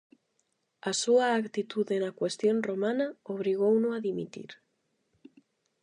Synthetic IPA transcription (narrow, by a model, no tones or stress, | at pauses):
asuaːkt̪it̪uðenakwest̪jonromãnaoβ̞ɾiɣ̞ownʊaðimḭt̪ḭɾ